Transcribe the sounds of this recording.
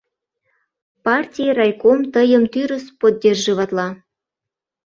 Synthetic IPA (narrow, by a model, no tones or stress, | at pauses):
pɑrtʲijərɑjkomt̪əjəmt̪yɾəspod̪̚ʲdʲerʒeβɑt̪lɑ